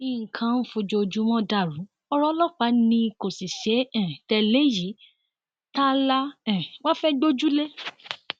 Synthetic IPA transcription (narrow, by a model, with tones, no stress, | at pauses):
ĩ˧˨ŋ̩˨kʰã˧˦n̩˦fũ˧d͡ʒo˧d͡ʒu˦mɔ̃˦da˦˨ɾũ˨˦ | ɔ˧ɾɔ˧˦lɔ˦k͡pa˨˦nĩ˧ko˨si˨ʃe˨˦ɛ̃˦˨tɛ˧le˦ji˨˦ | ta˦la˦ɛ̃˨wã˦fɛ˦ɡ͡bo˦d͡ʒu˦le˦